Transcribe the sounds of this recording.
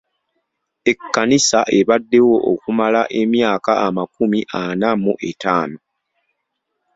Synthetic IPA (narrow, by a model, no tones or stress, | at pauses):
e̞kːanisaʔe̞βadːe̞wo̞ʔokumalaʔe̞mjaːkaːmakumiʔanamuʔe̞taːno